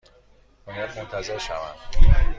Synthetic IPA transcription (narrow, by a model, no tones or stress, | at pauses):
onæt̪mont̪ʰæzeɾʃæ̰væ̰nd̪̥